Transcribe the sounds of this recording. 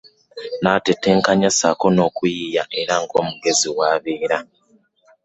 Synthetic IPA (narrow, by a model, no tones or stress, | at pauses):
nateteŋkaɲasa̰ko̞no̞ːkujijaʔeɾaŋko̞ːmuɡe̞ziwaːβeːɾa